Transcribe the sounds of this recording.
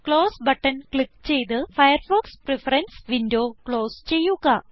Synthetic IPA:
kɭo̞ːsbɐʈːɐnkɭikːt͡ɕe̞jt̪ɨfɐjɐrfoːksprefɐɾɐnsʋindo̞ːkɭo̞ːst͡ɕe̞jːuɣɐ

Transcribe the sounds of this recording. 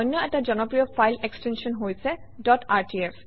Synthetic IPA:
ɔjnːɔɛtazɔnɔpɹijɔpʰajlekstensɔnɦojsɛ | dɔtaɹtief

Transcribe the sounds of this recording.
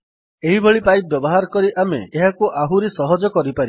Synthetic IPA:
eɦibʱɔɭipajbjbɔɦaɾɔkɔɾiʔamḛːɦakuʔaɦuɾesɔɦɔd͡ʒɔkɔɾipaɾi

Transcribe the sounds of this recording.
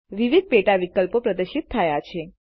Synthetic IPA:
ʋiʋid̪̚peʈaʋikəlpopɾəd̪əʃit̪ʰːəjat͡ʃʰe

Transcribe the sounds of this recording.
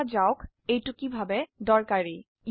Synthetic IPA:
ad͡ʑaok | ejʈukibʱabed̪ɔɹkaɾij

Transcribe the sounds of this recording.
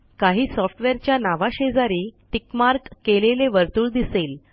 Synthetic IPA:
kaɦiːsɔfʈʋeɾt͡ɕjanaʋaɕed͡zaɾiːt̪ikmaɾkːeleleʋəɾt̪uːɭd̪isel

